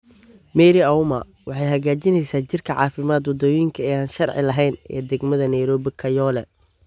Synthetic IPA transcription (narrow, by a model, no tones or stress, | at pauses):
mɛːɾɪɐwmɐ̰ | wɑħɑjɦɐɣaːt͡ʃɪnɛjsaːt͡ʃɪrkʰɐʕɑ̰ːfɪmaːd̪wɔd̪ɔwjɪŋkʰɐɛːaːnʃɐrʕɪ̰lɐɦɛjnɛ̰ːd̪ɛɡmɐðɐnɛjɾɔːβɪkʰɐjɔːlɛ